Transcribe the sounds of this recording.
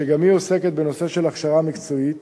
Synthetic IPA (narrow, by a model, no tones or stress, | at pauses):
eɡamhio̞se̞ket̪̚be̞no̞se̞ʃe̞laχʃaʁamikt͡so̞it